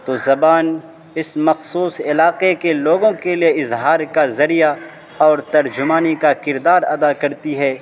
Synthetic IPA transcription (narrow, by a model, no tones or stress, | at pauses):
t̪oːzɐbaːn | ɪsmɐxsuːsɪlaːqekeloːɡõkelijeɪzɦaːɾkazɐɾija | ɔːɾt̪ɐɾd͡ʒʊmaːnikakɪɾd̪aːɾɐd̪akɐɾt̪iɦɛː